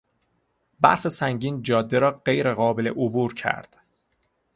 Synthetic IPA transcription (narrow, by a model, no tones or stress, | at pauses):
bæ̰ɾfe̞sæŋɟiːnd͡ʒɒːd̪ːeɾɒːɢe̞jɾeɣɒːbelḛʔobuːɾcʰæ̰ɾd̪̥